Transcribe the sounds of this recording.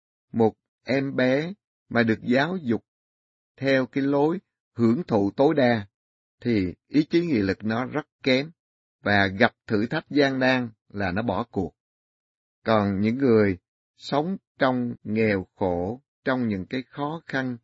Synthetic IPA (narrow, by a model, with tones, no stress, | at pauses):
mo˨˩t̚ | ʔɛ˧mɓɛ˨˦ | maː˨˩ɗɨ˨˩ək̚zaː˨˦wzʊ˨˩k͡p̚ | t̪ʰɛ˧wkaː˨˦jlo˨˦j | hɨ˧˩əŋt̪ʰṵ˧˨t̪o˨˦jɗaː˧ | t̪ʰi˨˩ʔi˨˦t͡ɕi˨˦ŋḭ˧˨lɨ˨˩k̚nɔ˨˦zə˦˥t̚kɛ˨˦m | vaː˨˩ɣa˨˩p̚t̪ʰɨ̰˧˩t̪ʰa˦˥jt̚zaː˧ŋɗaː˧ŋ | laː˨˩nɔ˨˦ɓɔ˧˩ku˨˩ək̚ | kɔ˨˩nɲɨ̰˧˥ŋːɨ˨˩əj | sə˨˦wŋ͡mt͡ɕɔ˧wŋ͡mŋɛ˨˩wxo˧˩˨ | t͡ɕɔ˧wŋ͡mɲɨ̰˧˥ŋkaː˨˦jxɔ˨˦xa˧n